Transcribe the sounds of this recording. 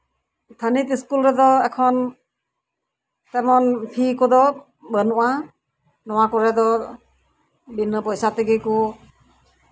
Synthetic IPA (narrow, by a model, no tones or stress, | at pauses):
t̪ʰanitiskulɾɛdɔɛkʰɔn | tɛmɔnpʰikɔd̪ɔ | bənuʔa | nɔwakɔɹɛdɔ | binɯpɔjsatəɡiku